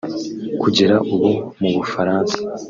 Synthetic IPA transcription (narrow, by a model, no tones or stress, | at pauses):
kuɟeɾaʔuβomuβufaɾaːnsḁ